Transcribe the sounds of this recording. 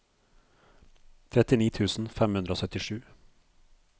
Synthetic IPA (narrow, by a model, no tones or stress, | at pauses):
t̪ʰɾɛt̪ɪniːt̪ʰʉːsn̩fɛmhʉnd̪ɾoːsœt̪ɪʂʉː